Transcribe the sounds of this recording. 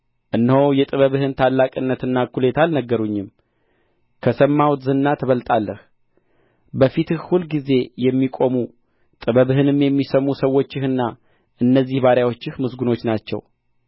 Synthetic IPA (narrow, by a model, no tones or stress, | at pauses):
ʔɨnːhojɛt̪ʼɨβəβhɨnt̪ʰalːakʼɨnːət̪ɨnːakʰule̞t̪ʰalnəɡːəɾuɲːɪm | kʰəsəmːawt̪zɨnːat̪ʰəβəlt̪ʼalːəh | bəfit̪ʰɨhhulɡize̞jɛmːikʼo̞mu | t̪ʼɨβəβɨhɨnɨmjɛmːisəmusəwːo̞t͡ʃːɪhɨnːa | ʔɨnːəzːihbaɾjawo̞t͡ʃːɪhmɨsɡuno̞t͡ʃːnat͡ʃːɛ̰w